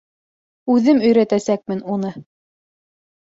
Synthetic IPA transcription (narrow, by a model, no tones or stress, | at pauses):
ʉðɘmɵ̆jɾæt̪æsæk̚mɘnunɤ